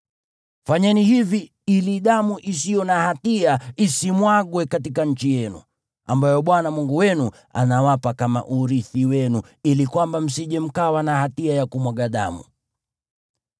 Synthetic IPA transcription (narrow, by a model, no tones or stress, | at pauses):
faɲɛnihivi | iliɗamuʔis̬ijɔnahatiaisimwaɠwɛkatikaɲ̩t͡ʃijɛnṵ | ambajɔɓwanamuŋɡuwɛnu | a̰nawapakama̰ʔuɾiθiwɛnu | ilikwambam̩siʄɛm̩kawanahatiajakumwaɡaɗa̰mṵ